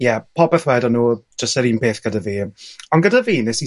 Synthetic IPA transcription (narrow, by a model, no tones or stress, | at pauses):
jɛpʰɔb̚ɛθwɛdɔnuːd͡ʒəstəɾiːmpʰeːθɡ̥ədaviːɔnɡədaviːnɛsi